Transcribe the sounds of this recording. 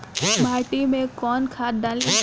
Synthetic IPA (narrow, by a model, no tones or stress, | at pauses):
mʱaːʈimẽkɔːnkʰaːt̪̚d̪aːlẽ